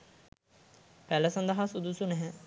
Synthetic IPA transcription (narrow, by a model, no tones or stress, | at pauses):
pæləsɐnd̪ɐɦasud̪usunɛɦɛ